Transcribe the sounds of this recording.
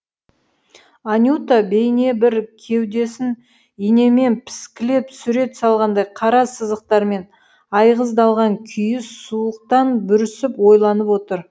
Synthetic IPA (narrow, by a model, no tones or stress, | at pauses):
anʲjut̪abe̞jne̞bɪɾkʲʰe̞wd̪e̞sɪn | ijne̞me̞npʰɪ̥skʲɪle̞psʏɾe̞t̪sɑlˠʁɑnd̪ɑjqʰɑɾɑsəzəq̚t̪ɑɾme̞n | ɑjʁəzd̪ɑlˠʁɑŋkʲʰʏjɪsuəq̚t̪ɑnbʏɾɪsɪpwo̞jlˠɑnəpwo̞t̪əɾ